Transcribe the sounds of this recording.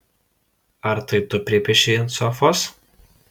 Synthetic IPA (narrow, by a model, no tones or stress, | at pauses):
ɐɾt̪ɐɪt̪ʊpʲɾʲɪpʲɛʃʲɛnsɔfɔs